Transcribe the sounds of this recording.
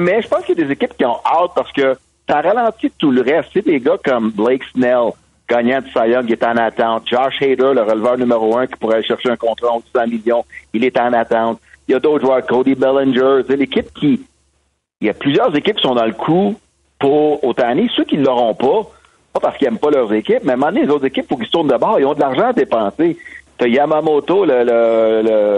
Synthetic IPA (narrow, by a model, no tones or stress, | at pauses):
mɛʒəpɑ̃ʊskəjɐd̪ezekʲɪp̚kʲiɔ̃ʔat̪̚paʁsə̥kə | saʁalɑ̃t͡ssit̪uləʁɛst̪sed̪eɡʌkʌmbleɪksnɛl | ɡ̥ɑːɲãd̪sajɔ̃ŋɛt̪ɑ̃nat̪ãt̪̚ʒɑʒhed̪ə˞ləʁəlvœːʁnymeʁoɜ̃kʲi̥puʁɛaleʃɛʁʃeɛ̃kɔ̃t̪ʁaõd̪sɑ̃miljɔ̃ilɛt̪ɑ̃nat̪ãt̪jʌd̪oʊt̪ʒwakod̪ibɛlɛ̃nd͡ʒə˞seɪlekʲɪp̚kʲʰi | jɐplyzjœːʁzekʲɪp̚kʲi̥sɔ̃d̪ɑ̃ləkʰu | pʊʁot̪ãnisøkʲilːəʁɔ̃pɔ | pɔpaʁskiɛmpɔlœʁzekʲɪp̚mɛmɑ̃d̪nelezowt̪zekʲɪpfʊʁkilst̪ʊʁnd̪əbɑːʁilɔ̃d̪laʁʒãad̪epɑ̃ːset̪ɔjamamot̪olələlə